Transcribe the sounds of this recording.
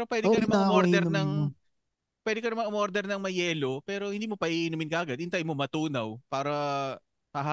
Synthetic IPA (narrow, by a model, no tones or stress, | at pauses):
pɛɾopwɛːd̪ɪkɐnɐmamoɾd̪ɛɾnɐŋ | pwɛd̪ɪkɐnɐmaŋmoɾd̪ɛɾnɐŋmɐjɛːlo̞pɛːɾo̞hɪnd̪iːmopɐʔiʔɪnumɪnkɐʔɐɡɐd̪ɪnt̪ajmomɐt̪uːnɐwpaːɾɐ | hɐɦa